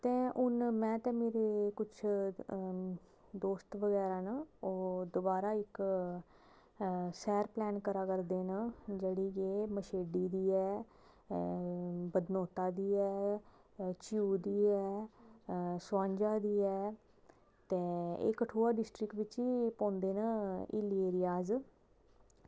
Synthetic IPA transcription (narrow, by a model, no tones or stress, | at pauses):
t̪ɛ̃ːʔʊnmɛ̃ːt̪ɛ̃ːmeːɾeːkʊt͡ʃʰ | d̪oːst̪ʋəɡɛːɾaːnaoːd̪obaːɾaːɪk | sɛːɾplɛːnkəɾaːkəɾd̪eːnad͡ʒeːɽiːkeːməʃeːɖiːd̪iːɛː | bəd̪noːt̪aːd̪iːɛː | t͡ʃuːd̪iːɛː | sãːɲd͡ʒaːd̪iːɛː | t̪eːɪ̰kəʈʰoːaːɖɪsʈɾɪkʋɪt͡ʃiːpõːnd̪eːnəɪ̰lieːɾɪjaːz